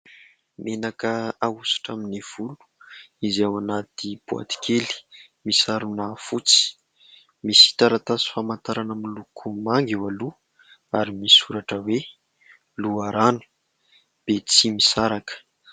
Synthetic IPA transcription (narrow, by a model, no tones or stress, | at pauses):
menakəausu̥ʈ͡ʂaminiv̥ulu̥izawanat̪ib̥ua̰t̪i̥kʰeli̥ | misaɾunafut͡si̥ | misi̥t̪aɾat̪asi̥famant̪aɾanəmilukʰumaŋɡiwalu | aɾimisuɾaʈ͡ʂəwe | luaɾanu̥ | b̥et͡simisaɾakə̥